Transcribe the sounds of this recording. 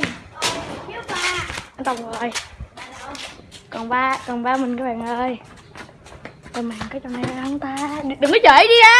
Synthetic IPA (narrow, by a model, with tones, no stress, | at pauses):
ʔnt̪ə˨˧˩wŋ͡mzo˨˩j | kɔ˨˩nɓaː˧kɔ˨˩nɓaː˧mï˨˩ŋ̟kɔː˨˦ɓa̰ː˨˩ŋʔəː˧j | t̪ɔ˨˩maː˨˩ŋkɔː˨˦t͡ɕɔ˧˨˩nɛ˧hə˧wŋ͡mt̪aː˧ɗɨ˨˩ŋʔə˨˦t͡ɕəː˧˨˦jɗi˧ʔaː˧